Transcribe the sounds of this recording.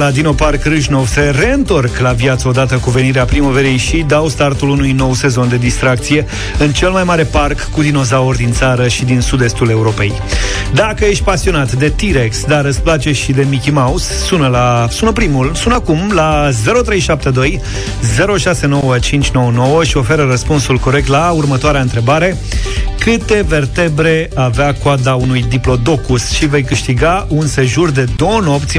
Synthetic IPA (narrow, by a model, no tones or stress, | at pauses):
lad̪ino̞parkrɨʒno̞vseɾe̞ɨnt̪o̞rklavjat̪səo̞d̪at̪əkuve̞niɾeapɾimoveɾijʃid̪awst̪art̪ulunujno̞wse̞zo̞nd̪e̞d̪ist̪ɾak̚t̪sije̞ | ɨnt͡ʃe̞lmajmaɾe̞parkːulino̞zaord̪int̪saɾəʃid̪insud̪e̞st̪ule̞uɾo̞pe̞j | d̪akəjeʃ̬t̪̚ʲpasio̞nat̪d̪e̞t̪iɾeksd̪aɾɨsplat͡ʃe̞ʃid̪e̞mikʲimausːunəlasunəpɾimulsunakumlaze̞ɾo̞t̪ɾe̞jʃap̚t̪e̞d̪o̞j | ze̞ɾo̞ʃase̞no̞wət͡ʃint͡ʃʲno̞wəno̞wəʃio̞fe̞ɾəɾəspunsulko̞ɾek̚t̪laurmət̪oaɾeaɨnt̪ɾe̞baɾe̞ | kɨt̪e̞ve̞rt̪e̞bɾe̞aveakoad̪aunujd̪iplo̞d̪o̞kusʃive̞jkɨʃt̪iɡaunse̞ʒurd̪e̞d̪o̞wəno̞pt̪sʲ